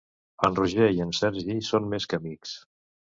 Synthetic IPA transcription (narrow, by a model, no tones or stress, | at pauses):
ənruʒeiənsɛɾʒisonmeskəmiks